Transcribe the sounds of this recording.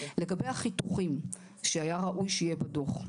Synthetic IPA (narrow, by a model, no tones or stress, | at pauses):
le̞ɡabejhaχituχim | ʃeajaʁaʔujʃejebado̞χ